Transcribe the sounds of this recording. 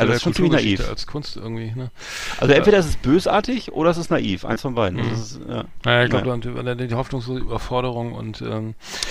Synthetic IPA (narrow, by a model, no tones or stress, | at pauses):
ʔaldfɔnt͡sːmɪçnaʔiːfa̰lskʰʊnstʔɪ̰ɐɡŋ̩tv̥iːnə | ʔalzoʔɛnv̥eːɾɐɪstɛsb̥øːsʔa̰ːɐtɪçʔo̰ːɾɐɛstɛsnaʔiːfʔa̰ɪnsfɔnbaɪdn̩ʔa̰zoɪssja̰ːnajaːɪç̥klaəduamva̰daddihɔfnʊŋsloːzəyːbɐfɔɐɾəʁ̞ʊŋʊ̰ntʔɛ̰ːm